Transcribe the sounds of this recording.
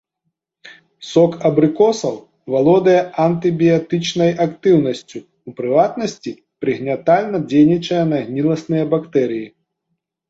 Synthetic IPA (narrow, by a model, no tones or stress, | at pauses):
sɔkɐbɾɨkɔsɐw | valˠɔd̪ɐjɛʔɐnt̪ɨbʲijat̪ɨt͡ʂnɐjakt̪ɨwnɐsʲt͡sʲuːpɾɨvat̪nɐsʲt͡sʲi | pɾɨɣnʲat̪alʲnɐd͡zʲejnʲit͡ʂɐjɐnɐɣnʲilˠɐsnɨjɐbakt̪ɛɾɨji